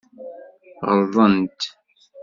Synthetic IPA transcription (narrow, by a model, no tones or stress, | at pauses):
ʁəɾðˤənt̪